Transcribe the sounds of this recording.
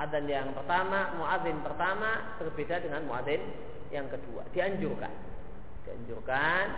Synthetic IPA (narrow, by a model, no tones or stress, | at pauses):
ʔaðanjaŋpərt̪amamoʔaðɪnpərt̪amabərbedadəŋanmoaðɪn | jaŋkədua̰d̥iaɲd͡ʒʊrka̰n | d̥ia̰ɲd͡ʒʊrkan